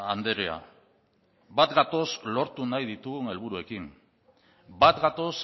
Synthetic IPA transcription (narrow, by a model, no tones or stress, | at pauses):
and̪e̞ɾea̰ | bat̪ɡat̪o̞slo̞ɾt̪unajðit̪uɣune̞lβ̞uɾue̞kim | bat̪ɡat̪o̞s